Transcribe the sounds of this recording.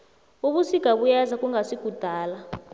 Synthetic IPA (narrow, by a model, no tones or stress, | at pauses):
uɓusiɡ̥ʱaɓujazakʼuŋɡasiɡ̥ʱud̥ʱaːla